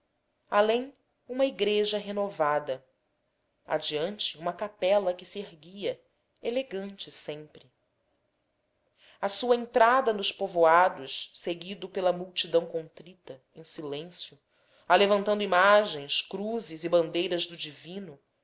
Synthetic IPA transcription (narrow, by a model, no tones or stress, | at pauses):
alẽj̃ | ũmɐiɡɾeʒɐɦenovad̪ɐ | a̰d͡ʒiɐ̃nt͡ʃɪũmɐkapɛlɐkɪsieɦɡiɐ | eleɡɐ̃nt͡ʃɪsẽmpɾɪ | asuɐẽnt̪ɾad̪ɐnʊʃpovoad̪ʊʃseɡid̪ʊpelɐmuwt͡ʃid̪ɐ̃w̃kõnt̪ɾit̪ɐ | ẽj̃silẽsjʊ | alevɐ̃nt̪ɐ̃nd̪uimaʒẽj̃skɾuzɪzibɐ̃nd̪ejɾɐzd̪ʊd͡ʒivĩnʊ